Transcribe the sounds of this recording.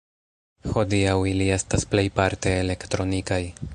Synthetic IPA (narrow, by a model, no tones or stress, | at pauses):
ho̞diawilie̞stasple̞jpaɾte̞ːle̞ktɾo̞nikaj